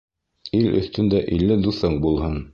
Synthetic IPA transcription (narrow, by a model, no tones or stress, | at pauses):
ilɵ̰̆θt̪ɵ̆nd̪æʔilːɘd̪uθɤɴbulˠhɤn